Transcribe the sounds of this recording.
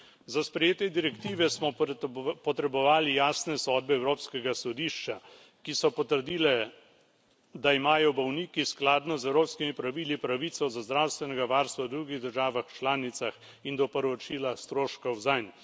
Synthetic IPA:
zaspɾɛjeːt̪ɛd̪iɾɛkt̪iːʋɛsmɔpɔt̪ɾɛbɔʋaːlijaːsnɛsɔːd̪̚bɛːwɾoːpskɛɡasɔd̪iːʃt͡ʃa | kisɔpɔt̪əɾd̪iːlɛ | d̪aimaːjɔbɔwniːkisklaːd̪nɔzɛwɾoːpskimipɾaʋiːlipɾaʋit̪sɔzazd̪ɾawst̪ʋɛnɛɡaʋaːɾst̪ʋawd̪ɾuɡiɣd̪əɾʒaːʋaxt͡ʃlaːnit̪sax | ind̪ɔpəɾɔt͡ʃiːlast̪ɾoːʃkɐwzan

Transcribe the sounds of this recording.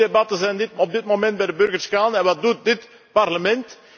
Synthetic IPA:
ebɑtəzɛjdɪtɔb̚dɪtmomɛnt̚bɛjdəbɵrɣərskaːnɛnʋɑt̚dut̚dɪt | pɑrləmɛnt

